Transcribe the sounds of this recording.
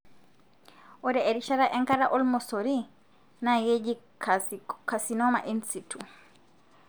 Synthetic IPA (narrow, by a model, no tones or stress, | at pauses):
ʔɔdɛeɾiʃaɾaʔɛŋkaɾaʔɔlmɔsoɾi | najed͡ʒi | kasinɔma̰ʔinsitu